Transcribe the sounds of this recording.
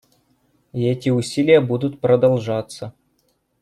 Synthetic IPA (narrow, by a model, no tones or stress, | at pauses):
ɛtʲiusʲilʲɪjəbud̪ut̪prɐd̪alˠʐɑt̪sə